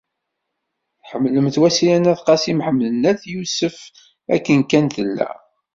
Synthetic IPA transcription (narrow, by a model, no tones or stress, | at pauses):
θħəmːləmθwæsilænæθqɑsimħəmːlənːæθjusəf | æ̰kːənkːænt̪əlːæ̰